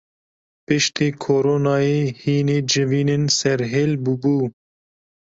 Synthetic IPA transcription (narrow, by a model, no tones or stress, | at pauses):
pɨʃt̪iːkʰoːɾoːnɑːjeːhiːneːd͡ʒɪviːnɪnsɛɾɦeːlbubuː